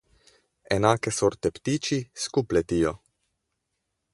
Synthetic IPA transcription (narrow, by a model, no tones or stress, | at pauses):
ɛnaːkɛsoɾt̪ɛpt̪it͡ʃiskuplɛt̪ijɔ